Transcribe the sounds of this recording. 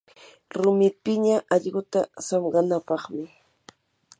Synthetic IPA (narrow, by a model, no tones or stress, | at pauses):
ɾʊmɪpɪɲaʔɑʎɢʊt̪asɑmɢɑnapɑχmɪ